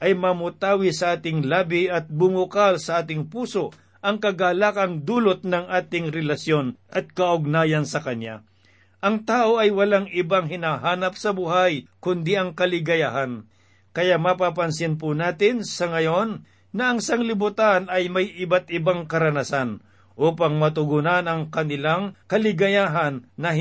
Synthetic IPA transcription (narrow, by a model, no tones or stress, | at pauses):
ʔɐjmɐmʊt̪aːwɪsɐʔaːt̪ɪŋlaːbɪɐt̪̚bʊmʊkalsɐʔaːt̪̬ɪŋpuːso̞ʔ | ʔɐŋkɐɡaːlaːkɐŋd̪uːlot̪̚nɐŋʔaːt̪ɪŋɾɛlɐsjo̞nʔɐt̪̚kɐʔʊɡ̚naːjɐnsɐkɐɲa̰ | ʔɐŋt̪aːʔo̞ʔɐjwɐlaŋɪbaŋɦɪnaɦaːnɐp̚sɐbʊɦajkʊnd̪iʔɐŋkɐlɪɡɐjaɦan | kɐjaʔmɐpap̬ɐnsɪnp̬ʊnaːt̪ɪnsɐŋɐjo̞nː | ɐʔɐŋsaŋlɪbʊt̪anɐjmɐjʔɪbat̪ɪbaŋkɐɾɐnasan | ʔuːpɐŋmɐt̪ʊɡʊnɐnɐŋkɐnɪlaŋkɐlɪɡɐjaːɦɐnːɐ